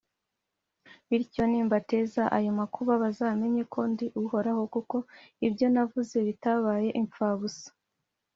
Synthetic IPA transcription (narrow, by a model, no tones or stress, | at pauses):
βiɾco̞niːmbate̞zaʔajomakʰuβaβazaːme̞ɲe̞kʰoːndiʔuho̞ɾaho̞kuko̞ibjo̞navuze̞βitaβaːje̞ʔiɱp͡faβusḁ